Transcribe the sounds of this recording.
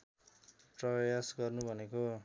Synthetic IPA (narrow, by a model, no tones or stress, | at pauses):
prʌjasɡʌrnubʱʌneko